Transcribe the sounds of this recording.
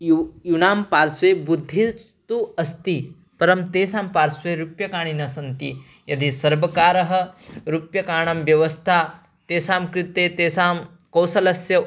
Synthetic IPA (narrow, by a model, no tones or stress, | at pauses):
junaːmpaːɾsʋeːbud̪ʱːi | t̪uɐst̪i | pɐɾɐmt̪eːsaːmpaːɾsʋeːɾupjɐkaːɳinɐsɐnt̪i | jɐd̪isɐɾbɐkaːɾɐɦɐ̆ɾupjɐkaːɳɐmʋjɐʋɐst̪ʰaː | t̪eːsaːmkɾit̪eːt̪eːsaːm | kɐwsɐlɐsjɐ